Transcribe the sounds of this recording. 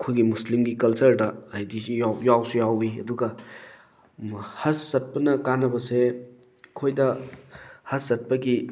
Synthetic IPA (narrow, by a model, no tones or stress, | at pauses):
kʰojɡimuslimɡikɐlsɐɾdɐɐjdisjawjawsujawiɐ̰duɡɐ | hɐsːɐt̚pɐnɐkanːɐbɐse | kʰojdɐ | hɐsːɐt̚pɐɡi